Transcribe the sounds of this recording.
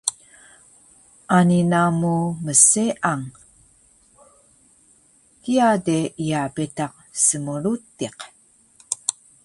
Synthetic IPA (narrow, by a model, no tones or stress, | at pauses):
ʔaninamuməseʔaŋ | kiadeiabetaq̚səmuɾutiq